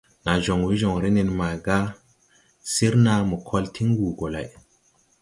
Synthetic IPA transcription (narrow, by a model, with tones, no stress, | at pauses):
na˨ʒo˨ŋwi˦ʒo˨ŋɾe˦ne˨nma˨ɡa˦ | si˦ɾna˨mə˨kʰo˦ltʰi˦ŋɡu˨ɡo˨la̰˨j